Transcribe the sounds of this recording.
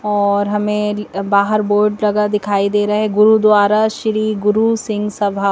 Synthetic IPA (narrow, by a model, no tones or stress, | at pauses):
ɔːɾɦɐmẽbaːɦəɾboːɾɖlɐɡad̪ɪkʰaːid̪eːɾɐɦɛɡʊɾud̪waːɾaʃɾiːɡʊɾusɪ̃ŋɡsɐbʱa